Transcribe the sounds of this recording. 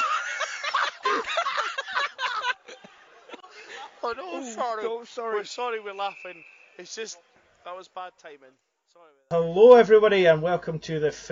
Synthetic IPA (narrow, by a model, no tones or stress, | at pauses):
anoɔɹosɔɹɪɹsɔɹiwɪ˞lˠafɪ̃ŋ | ɪtsd̥ʒ̥ʌs | ðəʔwʌzbad̚tʰãɪ̃mɪ̃n | sɔɹihəlˠoɛvɹibɔɾiə̃nwɛlˠkʰə̃mtʰəðəf